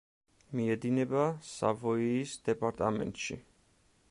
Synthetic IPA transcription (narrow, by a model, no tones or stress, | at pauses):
miɛd̪inɛbasa̰vɔiːsd̪̥ɛpʼaɾt̪ʼamɛ̰nt̪ʼʃḭ